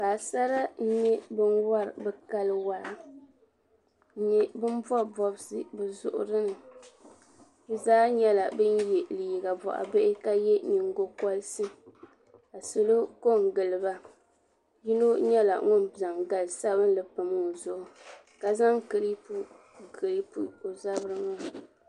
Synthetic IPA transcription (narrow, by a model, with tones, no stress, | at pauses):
baː˨sa˦ɾa˦n̩˦ɲɛ˦bɨ˦nwa˦ɾɨ˨bɛ˦ka˦lɨ˦wa˦ɾa˨˦ | ɲɛ˦bɨ˦n˦bɔ˦bɔ˨bsɨ˦bɨ˨zʊ̰˨ʔʊ̰˨ɾɨ˦nɨ˨˦ | zaː˦ɲɛ˦la˨bɨ˦njɛ˨li˨i˨ɡa˨bɔ̰˨ʔa̰˨be˦ʔɪ˦ka˦jɛ˦ɲi˨ŋ˦ɡo˦kɔ˦lsɨ˦ | a˨so˨lo˦ko˦˨ŋ˨ɡɨ˨lɨ˨ba˦ | ji˦no˦ɲɛ˦la̰˨ŋʊ˦nza˨ŋɡa˨lsa˦βɨ˦n˦lɨ˨pɨ˨mɨ˦˨zʊ˨ʔʊ˨ | ka˨za˦ŋkɨ˨li˦pu˦ | kɨ˨li˦pu˨o˨za˦bɾɨ˦ŋa˦